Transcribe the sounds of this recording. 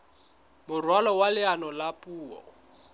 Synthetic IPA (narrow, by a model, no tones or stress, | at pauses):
mʊrwalɔwalɪanɔlapʼuːɔ̰